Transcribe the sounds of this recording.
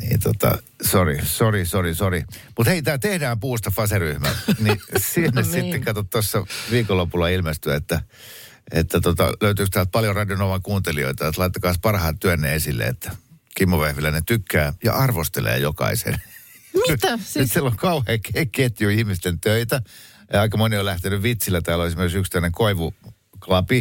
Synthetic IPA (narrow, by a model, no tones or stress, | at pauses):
nḭːnt̪ot̪ɑ̰ | sorisorisorisorimut̪heit̪æːt̪ehdæːmpuːst̪ɑfɑseryhmænisinːessit̪ːekkɑt̪ot̪t̪osːɑʋiːkolːopulːɑilmest̪yæet̪ːæ | et̪ːæt̪ot̪ɑ̰løyt̪yːkst̪æːlt̪̚pɑljorɑdionoʋɑŋkuːnt̪elio̰it̪ɑt̪lɑit̪ːɑkɑːspɑrhɑːnt̪yænːeesilːḛḛt̪ːæ | kimːoʋehʋilːænet̪ykːæːjɑ̰ʔɑrʋost̪elḛːjokɑ̰isḛn | silːoŋkɑuheːkeket̪juihmist̪ent̪øit̪æ | jɑɑikɑmoniolæht̪enyʋʋit̪silːæt̪æːloesimerksykst̪æneŋkoiʋu | klɑpi